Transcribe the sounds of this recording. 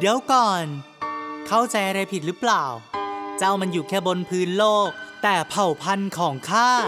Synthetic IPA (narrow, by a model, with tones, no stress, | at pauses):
di˦əwkɔː˨˩n | kʰa˥˩wt͡ɕa˧jʔa˧ɾa˧jpʰi˨˩t̪̚ɾɯ˦˥plaː˨˩wt͡ɕa˥˩wma˧njuː˨˩kʰɛː˥˩bo˧npʰɯː˦˥nloː˥˩k̚t̪ɛː˨˩pʰa˨˩wpʰa˧nkʰɔː˩˦ŋkʰaː˥˩